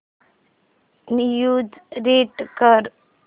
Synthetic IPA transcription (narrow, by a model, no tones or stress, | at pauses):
nijud͡ʒɾeʈkəɾ